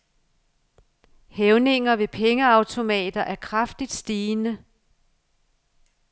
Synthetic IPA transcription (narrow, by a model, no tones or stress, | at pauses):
heʊne̝ŋɐʋe̝pʰeŋəɑ̈ʊt͡sʰo̝mɛ̰ːd̥ɐʔæɐkʰʁɑfd̥id̥sd̥iːnə